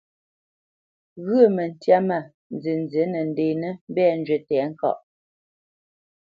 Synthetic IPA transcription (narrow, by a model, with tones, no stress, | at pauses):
ɣʉ˦˨mə˨n̩˨tja˦ma˨ | n˨ze˨n˨d͡ze˨˦nə˨n̩˦de˨nə˦m˦bɛ˦˨n̩˦d͡ʒɥe˨tɛ˨˦ŋ̩˦kɔ̰˦˨ʔ